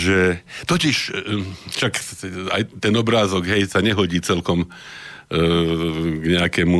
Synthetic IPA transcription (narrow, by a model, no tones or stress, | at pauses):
ʒɛt̪ɔciʃ | ʃaka̰jt̪ɛnɔbɾaːzɔɡɦɛjsaɲɛɦɔɟiːt͡sɛlkɔm | ɡɲɛakɛmu